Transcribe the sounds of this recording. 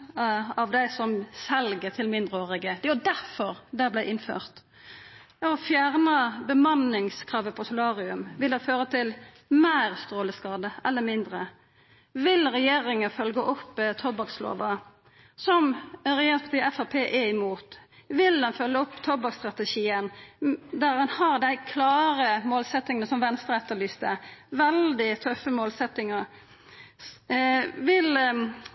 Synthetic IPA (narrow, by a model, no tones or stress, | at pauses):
ɑʋd̪æɪsɔmsɛlɡət̪ʰɪlmɪnd̪ʁəoːʁɪɡəd̪ɛjʊd̪æɾfɔʁd̪ɛblæɪʔɪnfø̰ːʁt̪ | ɔfjæːʁnəbəmɑnːɪŋskʰʁɑːʋəpʰɔsʊlɑːʁɪʉmʋɪld̪æføːʁət̪ʰɪl | mæːʁst̪ʁoːləskɑːd̪əʔɛlːəmɪnd̪ɾə | ʋɪlʁɛjeːɾɪŋəfœlɡəʔɔpːt̪ʰɔbɑkslo̰ːʋɑ | sɔmɾɛjeːɾɪŋspʰɑt̪ʰiːɛfæpʰeːʔɛɪmuːt̪ʋɪld̪ɛnfœlːəɔpːt̪ʰɔbɑkst̪ɾɑt̪ɛʃiːənd̪æɾhɑnhɑʁd̪æɪkʰlɑːɾəmoːlsɛt̪ːɪŋənəsɔmʋɛnst̪əɾɛt̪ːəɭyːst̪əʋɛld̪ɪt̪ʰœfəmoːlsɛt̪ːɪŋə | ʋɪl